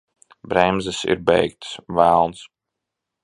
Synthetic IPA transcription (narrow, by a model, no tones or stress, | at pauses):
bɾɛmzɨsḭɾbɛ̰jkt̪svælˠns